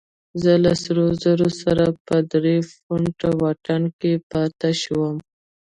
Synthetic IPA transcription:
zəlasɾozaɾosaɾapəd̪ɾefʊɳʈawɑʈankepɑt̪aʃwəm

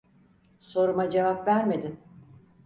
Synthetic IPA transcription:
so̞ɾumad͡ʒevapvæɾme̞d̪in

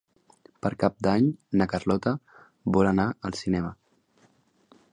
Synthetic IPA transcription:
pəɾkap̚d̪aɲnəkərlɔt̪ə | bɔlənaəlˠsinɛmə

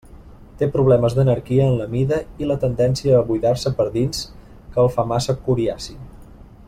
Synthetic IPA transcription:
t̪epɾuβ̞lɛməzðənəɾkiəːnləmiðəilət̪ənd̪ɛnsiəːβujðaɾsəpəɾðins | kəəːlˠfamasəkuɾiasi

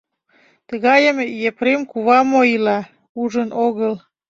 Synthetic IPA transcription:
t̪əɣɑjəmjepɾemkuβɑmoilɑ | uʒənʔoɣəl

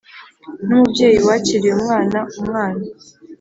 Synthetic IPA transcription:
n̥umubɟe̞ːjiwaciɾieumŋaːnaumŋaːna

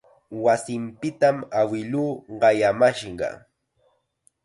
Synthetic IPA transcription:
wasɪmpɪt̪amawɪluːɢɑjamaʃɢɑ̰

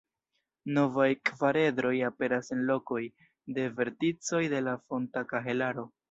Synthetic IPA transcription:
no̞vajkvaɾe̞dɾo̞jape̞ɾasenlo̞ko̞j | de̞ve̞ɾtit͡so̞jde̞lafo̞ntakaɦe̞laɾo̞

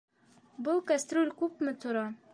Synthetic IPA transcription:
bɤlˠkast̪ɾulʲkʉpmɘt̪ŏɾɑ

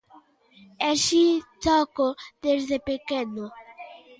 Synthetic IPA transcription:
eʃit̪ɔkod̪ezðepekenʊ

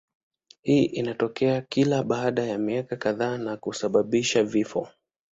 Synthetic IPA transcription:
hiːʔinatɔkɛakilaɓaːɗajamiakakaðaːnakusaɓaɓiʃavifɔ̰

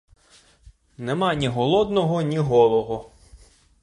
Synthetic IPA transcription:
nemɑnʲiɦɔlˠɔd̪nɔɦɔnʲiɦɔlˠɔɦɔ

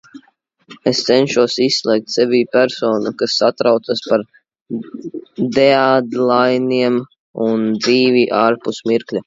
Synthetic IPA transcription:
est̪sɛnʃuɔsisːlʲˠɛːk̚t̪ʲsɛvʲiːpʲæɾsɔːnukasːat̪ɾawt̪saspaɾ | d̪ead̪lˠajniɛm | und̪ziːvʲiʔaːɾpusmiɾklʲa

